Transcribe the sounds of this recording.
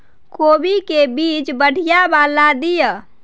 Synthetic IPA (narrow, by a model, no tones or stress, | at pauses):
kobikebit͡ʃbəɽ̤ijabalad̪ijə